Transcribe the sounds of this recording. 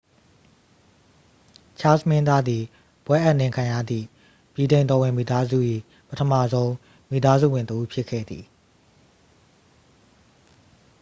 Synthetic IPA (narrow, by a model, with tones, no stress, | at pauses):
t͡ɕʰa˦smɪ̃˦nd̪a˦d̪ði˨ | b̥wɛ˦ʔa˦ʔnɪ̃˨ŋkʰã˨ja̰˦˨d̪ðḭ˦˨ | b̥ji˨dẽ˨nt̪ɔ˨wɪ̃˨mi˨t̪a˦zṵ˦˨ʔḭ˦˨ | pətʰəma̰˦˨zõ˦ʊ̃ | mi˨t̪a˦zṵ˦˨wɪ̃˨nt̪əʔu˦pʰjɪ˦kʰːɛ̰˦˨d̪ði˨